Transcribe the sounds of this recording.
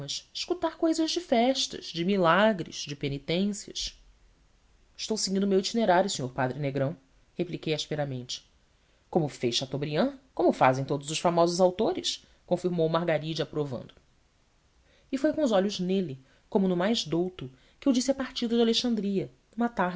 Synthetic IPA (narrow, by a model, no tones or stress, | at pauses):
ɐʃiʃkut̪aɾkojzɐzd͡ʒɪfɛʃt̪ɐ̰ʒ̥d͡ʒɪmilaɡɾḭz̥d͡ʒɪpenit̪ẽsiɐ̰ʃ | ɪʃt̪owsɪɡĩnd̪ʊmewit͡ʃineɾaɾjʊsẽɲoɾpad̪ɾɪneɡɾɐ̃w̃ | heplikejaʃpeɾamẽnt͡ʃɪ̥ | kõmʊfejʃɐt̪obɾiɐ̃kõmʊfazẽj̃t̪od̪ʊzʊʃfamɔzʊzawt̪oɾɪʃ | kõfiɾmowmahɡaɾid͡ʒɪapɾovɐ̰̃nd̪ʊ | ifojkõʊzɔʎʊznelɪ | kõmʊnʊmajzd̪owt̪ʊ | kɪewd͡ʒisiɐpaɾt͡ʃid̪ɐd͡ʒaleʃɐ̃nd̪ɾiɐ | ũmɐt̪aɦ